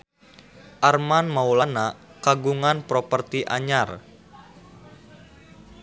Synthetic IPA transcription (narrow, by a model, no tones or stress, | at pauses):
ʔarmanmaulanakaɡuŋanpɾopərt̪iʔa̰ɲar